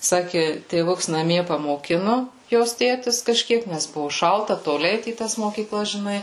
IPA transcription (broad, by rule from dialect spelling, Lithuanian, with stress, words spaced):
ˈsɑːkʲɪ tʲeːˈʋʊks nɐˈmʲiɛ pɐmoːˈkʲɪnʊ ˈjoːs ˈtʲeːtʲɪs kɐˈʃʲkʲiɛk ˈnʲɛs ˈbʊʋʊ ˈʃɐlˠtɐ toːˈlʲɪ ˈɛɪt iː ˈtɐs moːkʲiːˈklˠɐs ʒʲɪˈnɐɪ